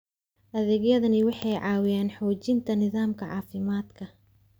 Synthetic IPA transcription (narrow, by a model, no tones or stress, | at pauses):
ʔɐðɛːɡjɐðɐnɪwɑħɑjʕɑːwɪjaːnħɔːt͡ʃɪnt̪ʰɐnɪðaːmkʰɐʕɑ̰ːfɪmaːd̪kʰɐ